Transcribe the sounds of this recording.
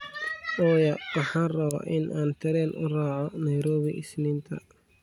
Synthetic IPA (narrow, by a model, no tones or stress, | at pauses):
ʔɔːjɐwɑħɑːnrɐβa̰ʔɪnʔaːnt̪ʰɐɾɛlʔʊraːʕɔnɐjɾɔːβɪʔɪsliːnt̪ʰɐ̰